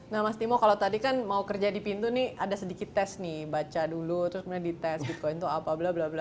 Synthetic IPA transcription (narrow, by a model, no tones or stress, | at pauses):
namast̪imɔkalot̪adikanmaukərd͡ʒadipint̪unɪʔadasədikɪt̪ːɛsnɪhbat͡ʃadulut̪əɾʊskəmunadit̪ɛsbit̪̚kɔɪnt̪uapablablabla